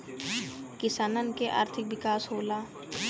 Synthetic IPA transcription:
kɪsaːnənkeʔa̰ːɾt̪ʰɪk̚ʋɪkaːsɦoːlaː

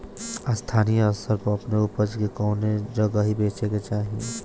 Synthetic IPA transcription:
st̪ʰaːnijɔsəɾpoɐpneupəɾd͡ʒkekɔːned͡ʒɐɡaɦibeːt͡ʃeket͡ʃaːɦie

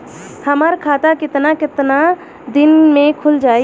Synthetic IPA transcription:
həməɾkʰaːt̪akɪt̪nakɪt̪na | d̪ɪnmẽkʰʊld͡ʒaːi

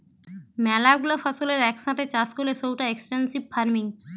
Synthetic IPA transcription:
mɛlaɡulofɔsoleɾɛkʃãt̪ʰet͡ɕaskolesowʈaeksʈensibfaɾmiŋ

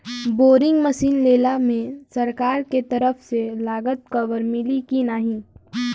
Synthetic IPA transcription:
boːɾɪ̃ŋɡməsiːnleːlamẽsɐɾkaːɾket̪ɐɾəfselaːɡət̪̚kɐʋəɾmɪlikinaːɦĩː

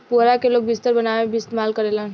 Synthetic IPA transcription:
puɾakeloːɡ̚bist̪əɾbənaʋeebist̪emalkəɾelən

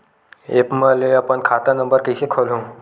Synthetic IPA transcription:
ḛːpməleɐpənkʰaːt̪anɐ̃mbəɾkisekʰolɦũː

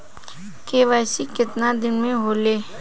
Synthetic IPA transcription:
keːʋajsikɪt̪nad̪ɪnmẽɦoːleː

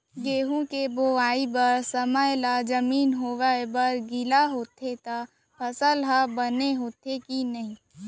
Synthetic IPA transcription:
ɡeːɦũkeboːaːibəɾsəməjlad͡ʒəmiːnɦoːʋəbəɾɡɪlaɦoːt̪ʰet̪a | pʰɐsəlɦəbəneɦoːt̪ʰekinɐɦĩː

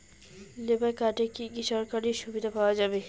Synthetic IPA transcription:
lebakaʈekikiʃɔɾkaɾiʃubid̪ʱapawad͡ʒaːbe

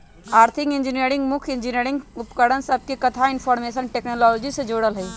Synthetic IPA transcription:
aːɾt̪ʰikind͡ʒiniəɾĩŋɡmukʰind͡ʒineɾiŋɡupkəɽ̤ənsəb̚ʱkekət̪ʰainpʰɔɾmesənʈeknolɔlod͡ʒised͡ʒoɽəlɦəj

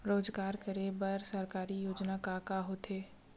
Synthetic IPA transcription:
ɾoːd͡ʒɡaːɾkəɾebəɾsəɾkaːɾijoːd͡ʒnakakaɦot̪ʰeː

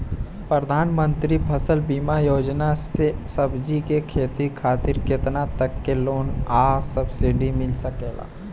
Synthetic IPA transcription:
pɾəd̪ʱaːnmə̃nt̪ɾipʰɐsəlbiːmajoːd͡ʒnasesɐbd͡ʒikekʰeːt̪ikʰaːt̪ɪɾket̪nat̪ɐkːeloːnaːsəbsɪɖimɪlsɐkeːɡa̰ː

